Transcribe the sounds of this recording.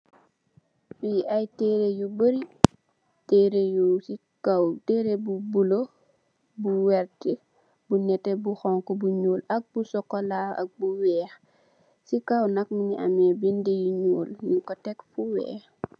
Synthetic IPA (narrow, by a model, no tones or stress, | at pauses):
fiajtɛːɾejubəɾi | tɛɾejusikawtɛɾebubulo | buwɛɾtɛ | bunɛtɛbuxɔŋkɔbuɲuːlɐk̚busɔkːɔlaa̰k̚buwɛːx | sikawnɐk̚miniʔamɛbindejuɲuːljukɔtɛkfuwɛ̰ːx